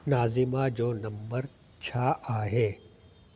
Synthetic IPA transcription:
naːzɪmad͡ʑoːnɐ̃mbəɾ | t͡ɕʰaʔaːɦeː

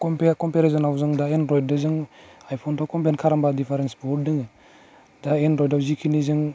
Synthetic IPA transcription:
kɔmpekɔmpeɾes̬ɔnawzɯŋdaenɾɔjd̚dɯzɯŋajpʰɔntʰɔwkɔmpenkʰaɾambadipʰaɾensbɔɾ̚dɯŋɯ | daenɾɔjdawzikʰinizɯŋ

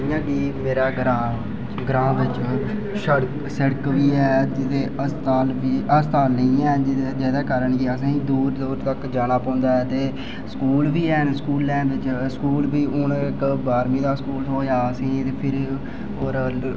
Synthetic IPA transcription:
jãːkiːmeːɾaːɡɾãː | ɡɾãːʋɪt͡ʃ | ʃəɽk | səɽkʋiːɛːd͡ʒɪt̪eːəst̪aːlʋiːəst̪aːlnəĩːɛːd͡ʒd͡ʒɛːd̪aːkəɾəɳkiəs̬ãːĩːd̪uːɾd̪uːɾt̪əkd͡ʒaːɽ̃aːpãːʊ̃nd̪aːɦɛːt̪eː | sə̥kuːlʋiːɛːnskuːlːɛ̃ːnʋ̪ɪt͡ʃskuːlbiːʊnkbaːɾmĩːd̪aːskuːloːjaːəsĩːt̪eːpʰɪɾ | oːɾ

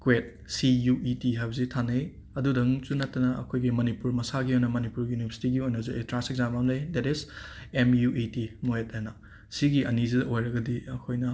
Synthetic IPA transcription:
kwet̚ | sijuʔitiɦajbzitʰanej | ɐdudɐŋt͡ʃunatːɐnɐɐ̰kʰojɡimɐnipuɾmɐsaɡiojnɐmɐnipuɾjunipʰesi̥tiɡiojnɐzuetɾaseɡzampamnejdɛtizemjuʔitimoetenɐ | siɡiʔɐnizidɐojɾɐɡɐdiɐkʰojnɐ

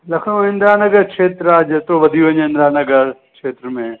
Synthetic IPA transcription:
lɐkʰõɦɪ̃nd̪ɾaːnəɡəɾkʃeːt̪ɾaːd͡ʒt̪oʋɐd̪ʱiõɲɦɪnd̪ɾaːnəɡəɾkʃeːt̪ɾəmẽː

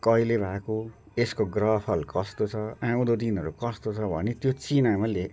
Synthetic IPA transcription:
kʌilebʱako | eskoɡrʌpʰʌlkʌst̪ot͡sʰʌãũd̪od̪inɦʌɾukʌst̪ot͡sʰʌbʱʌ̰net̪jot͡sinamale

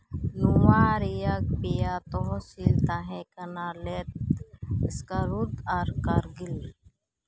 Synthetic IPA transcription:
nuwaɾijak̚pijat̪ɔɦsilt̪aɦɛ̃kɐnalet̪̚ | skaɾud̪aɾkaɾɡɪl

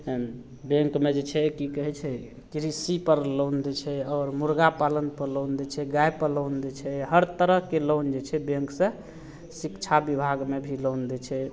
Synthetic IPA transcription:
bẽŋkmed͡ʒet͡ʃʰɛkikəɦɛt͡ʃʰɛ | kɾisipəɾlownd̪ɛt͡ʃʰɛɔːɾmuɾɡapalənpəɾlond̪ɛt͡ʃʰɛɡajpəɾlownd̪et͡ʃʰɛɦəɾt̪əɾəɦkelond͡ʒet͡ʃʰɛbẽŋksə̃ | sikt͡ʃʰabibʱaɡmebʱilownd̪ɛt͡ʃʰɛ

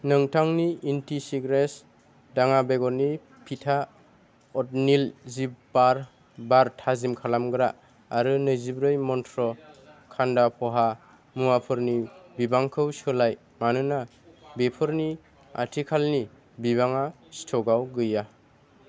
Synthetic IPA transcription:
nɯŋtʰaŋniːntisiɡɾes | daŋabeɡɔni | pʰitʰa | ɔt̚nilzibaɾ | baɾtʰazimkʰalamɡɯɾaː | ɾɯnɯzibɾɯjmɔntʰɾɔkʰandapʰɔɦa | muapʰɯɾnibibaŋkʰɯwsɯlaj | manɯna | bepʰɯɾni | a̰tʰikʰalni | biβaŋa | stʰɔɡawɡɯja

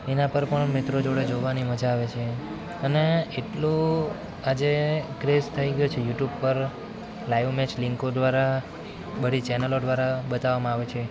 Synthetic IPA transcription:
enãpəɾpəɳmit̪ɾod͡ʒoɽed͡ʒoʋaniməd͡ʒaːʋet͡ʃʰe | əneeʈlũ | ad͡ʒekɾest̪ʰəiɡəjut͡ʃʰejuʈjubpəɾ | laiʋmɛt͡ʃlɪŋkod̪ʋaɾa | bəɽit͡ʃɛnəlod̪ʋaɾabət̪aʋamãaʋet͡ʃʰe

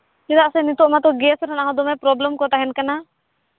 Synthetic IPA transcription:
kid̪aʔsɛnit̪ɔʔmat̪ɔɡɛsɾɔnaɦɔ̃d̪ɔmɛpɾɔblɛmkɔt̪aɦɛnkana

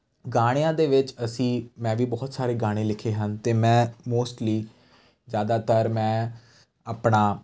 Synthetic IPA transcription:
ɡaːɽ̃ejãːd̪eːʋɪt͡ʃəsĩːmɛ̃ːʋiːbɔːt̪saːɾeːɡaːɽ̃ẽːlɪkʰeːɦənt̪eːmɛ̃ːmoːsʈliː | zjaːd̪aːt̪əɾmɛ̃ː | aːpɳaː

